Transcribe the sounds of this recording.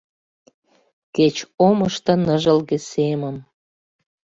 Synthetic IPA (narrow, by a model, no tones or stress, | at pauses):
ket͡ɕoməʃt̪ɤ̆nəʒə̆lɣesemən